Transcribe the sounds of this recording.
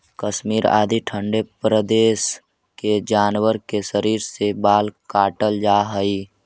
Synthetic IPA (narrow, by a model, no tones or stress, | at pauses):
kəʃmiːɾa̰ːd̪iʈʰəɳɖepɾəd̪eːs | ked͡ʒaːnwəɾkeʃəɾiːɾsebaːlkaːʈəld͡ʒaɦəi